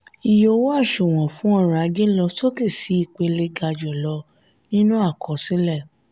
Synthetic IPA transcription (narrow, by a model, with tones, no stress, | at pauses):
i˧˨jo˧wo˦a˦˨ʃo˨w̃ɔ̃˨fũ˨˦ɔ˦˨ɾa˨˧d͡ʒe˦lɔ˧to˦ke˦˨si˨˦i˦˨k͡pe˧le˧ɡa˧d͡ʒɔ˨lɔ˧ | nĩ˦nũ˦a˦˨kɔ˨˧sĩ˦lɛ˦˨